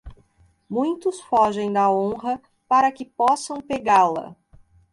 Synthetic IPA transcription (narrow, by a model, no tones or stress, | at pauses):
mũj̃t̪ʊsfɔʒẽj̃d̪ɐõɦɐ | paɾɐkɪpɔsɐ̃w̃peɡalɐ̰